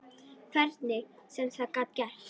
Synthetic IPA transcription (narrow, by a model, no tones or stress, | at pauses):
kʰvɛɾt̪nɪsɛmθakat̪̚cɛr̥